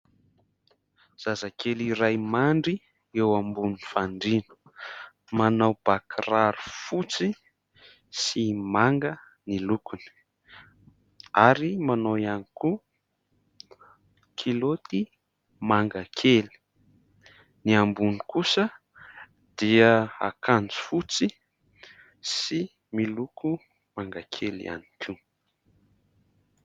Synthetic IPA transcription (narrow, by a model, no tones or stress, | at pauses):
z̥azakeliɾajmaɳɖ͡ʐi | ewambunfaɳɖ͡ʐinu̥ | manawb̥akraɾufut͡si | simaŋɡə | nilukuni̥ | aɾimanoianiku | kʰilot̪i | maŋɡakʰeli̥ | niambunikusə | d̪̥iəa̰kʰand͡zi̥fut͡si | si | milukʰu | maŋɡakʰelḭa̰nikʰi